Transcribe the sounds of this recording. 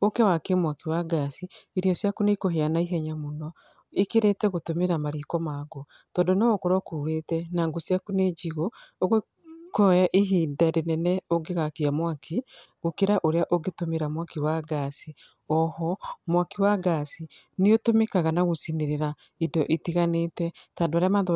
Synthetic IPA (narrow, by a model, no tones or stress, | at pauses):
okewakemwakiwaɡasiiɾjɔsjakunekoɦeanaiɦɛɲamunɔ | ikeɾɛtɛɣotomeɾamaɾikɔmaːɡo | tɔːndonɔɣokoɾɔkouɾetɛnaːŋɡosjakuned͡ʒiɣooɣo | koɔjaʔiɦiːdaɾenɛnɛoɡeɣakiamwakʰiɣokeɾaʔoɾeaʔoɡetomeɾamwakiwaɡasi | ɔhɔmwakiwaɡasi | niotomekaɣanaɣosineɾeɾa | idɔʔitiɣaneːtɛtaːndoaɾeamaːnð